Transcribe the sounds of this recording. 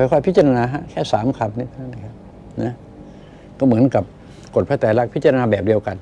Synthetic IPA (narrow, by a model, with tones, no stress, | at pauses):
ɔ˧˩jkʰɔː˧˩pʰi˦˥t͡ɕa˧ɾa˧naː˧ɦa˦˥kʰɛː˥˩saː˨˩˦mkʰa˧˩p̚ni˧˩t̪ʰa˧˥˩na˧˩kʰa˦˥p | na˦˥ | kɔː˧˥˩mɯ˩˦ənka˨˩p̚ | ko˨˩t̪̚ʰa˧˥˩t̪aː˨˩la˦˥k̚pʰi˦˥t̪̚t͡ɕa˧ɾa˧naː˧bɛː˨˩p̚di˧əwka˧n